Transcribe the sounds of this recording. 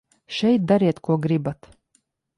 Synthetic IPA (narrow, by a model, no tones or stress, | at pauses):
ʃɛjt̪̚d̪aɾiɛt̪kuɔɡɾibat̪